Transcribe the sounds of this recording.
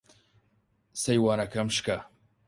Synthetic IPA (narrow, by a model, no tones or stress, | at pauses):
sɐjwaːnɐkʰɐmʃkɐ